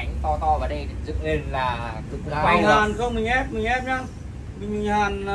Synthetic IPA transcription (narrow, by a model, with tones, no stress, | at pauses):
a˨˦jŋ̟t̪ɔ˧t̪ɔ˧vaː˨˩ɗə˧jzɨ̰˧˨ŋle˧nlaː˨˩zɨ̰˨˧˨wa˧˨˧zaː˨˩nzo˧mï˨˩ŋ̟ʔɛ˦˥p̚mï˨˩ŋ̟ʔɛ˦˥p̚ɲaː˧ | mï˨˩ŋm˨˩ŋhaː˨˩n